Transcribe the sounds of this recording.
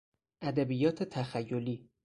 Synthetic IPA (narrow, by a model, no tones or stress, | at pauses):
ʔæd̪æbijɒːt̪ʰet̪ʰæxæjːoliː